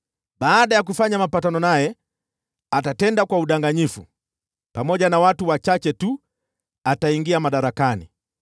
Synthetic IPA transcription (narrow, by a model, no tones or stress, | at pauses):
ɓaːɗajak̬ufaɲamapatanɔnajɛ | atatɛndakwauɗaŋɡaɲifṵ | pamɔʄanawatuwat͡ʃat͡ʃɛtu | ataiŋɡiamaɗaɾakanḭ